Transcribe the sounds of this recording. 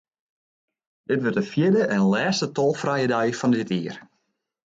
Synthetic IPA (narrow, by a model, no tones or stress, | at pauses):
dɪtʋørtəfjɪdəʔɛnəlɛːstətɔlˠfrajədɛjfɔndɪtiər